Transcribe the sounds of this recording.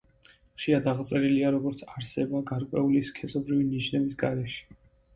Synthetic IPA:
χʃiad̪aʁt̪sʼɛɾiliaɾɔɡɔɾt̪sʰaɾsɛbaɡaɾkʼwɛuliskʰɛsʼɔbɾiviniʃnɛbisɡaɾɛʃi̥

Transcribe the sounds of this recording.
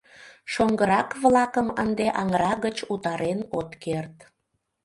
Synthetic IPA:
ʃoŋɡəɾɑkβlɑkəmə̰nd̪eʔɑŋɾɑɣət͡ɕut̪ɑɾʔenot̪kert̪

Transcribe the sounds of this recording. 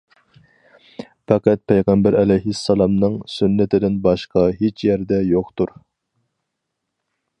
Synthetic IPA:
fɑqæt̪̚pʰɛjʁæmbæɾɛlɛjɦisːɑlˠɑmnɨŋsynːɪt̪ʰɪd̪ɪnbɑʃqʰɑɦet͡ʃʰjæɾd̪ɛjoqt̪uɾ

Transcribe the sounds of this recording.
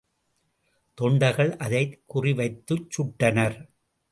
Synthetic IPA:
t̪ɔɳɖɐɣɐɭʔɐðɐɪkːʊrɪʋɐɪt̪ːɯt͡ʃːʊʈːɐnɐɾ

